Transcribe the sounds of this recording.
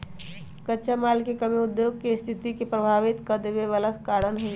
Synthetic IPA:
kətːʃamaːlkekəmiʊd̪joːɡ̚kest̪ʰɪt̪ikepɾəbʱaːʋɪt̪kəd̪ʋeʋələt̪kaːɽənɦo

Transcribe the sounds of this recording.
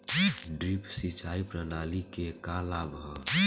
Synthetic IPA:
ɖɾipsit͡ʃʰaipɾənalikekalabʱɔ

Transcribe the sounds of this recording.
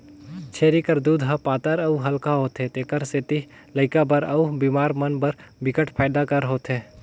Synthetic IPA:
t͡ʃʰeːɾikəɾd̪uːd̪ɦapaːt̪əɾɐuɦɐlkaɦoːt̪ɦẽt̪eːkəɾset̪i | ləɪkabɐɾɐubiːmaːɾmɐnbɐɾbɪkəʈʰpʰaːd̪akɐɾɦoːt̪ɦeː

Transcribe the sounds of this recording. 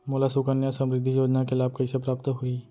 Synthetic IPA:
moːlasʊkənjasɐ̃mɾɪd̪ʱːijoːd͡ʒnakelaːb̚kɐisepɾaːp̚t̪ɦui

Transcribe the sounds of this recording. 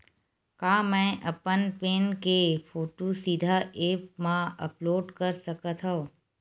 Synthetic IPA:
kaːmɛ̃ʔəpənpeːnkepʰoːʈosid̪ʱaeːpmãə̰ploːɖkəɾsəkət̪ʰɦõ

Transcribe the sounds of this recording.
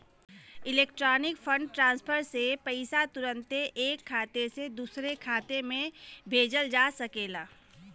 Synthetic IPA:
ɪleːk̚ʈɾɔːnɪkpʰə̃ɳɖʈɾãːnspʰəɾsepəɪsat̪ʊɾə̃nt̪eʔeːkʰːaːt̪esed̪usɾekʰaːt̪emẽbʱeːd͡ʒəld͡ʒaːsəkeːlaː

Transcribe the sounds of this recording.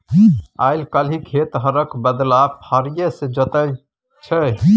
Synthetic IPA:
aɪlkəlikʰet̪ɦəɾəkbəd̪lapʰaɾijesed͡ʒət̪əj | t͡ʃʰə

